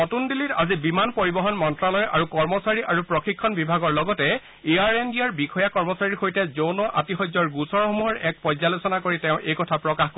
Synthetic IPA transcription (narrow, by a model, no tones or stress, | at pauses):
ɔtundilitazibimanpoɹibɔɦɔnmɔntɹalɔjʔaɹukɔɹmɔsaɹiʔaɹupɹɔxikʰːɔnbibʱaɡɔɹlɔɡɔtɛ | eaɹendiaɹbikʰɔjakɔɹmɔsaɹiɹxojtɛzownɔʔatixɔzɔɹɡusɔɹxɔmuɦɔɹɛk̚pɔjzalosɔnakoɹitɛʊ̃ʔejkɔtʰapɹɔkaxko